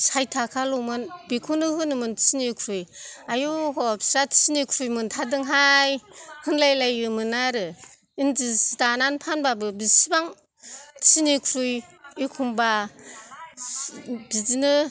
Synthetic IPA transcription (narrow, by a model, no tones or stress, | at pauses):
sajtʰakʰalɔmɯnbikʰunɯɦɯnɯmɯntʰi̥sinikʰɾujajuɦɔpsatʰi̥sinikʰɾujmɯntʰadɯŋɦajhɯnlajlajɯmɯnaɾɯ | inzisdananpʰanbabɯbisibaŋ | tʰi̥sinikʰɾujikʰumba | bizinɯ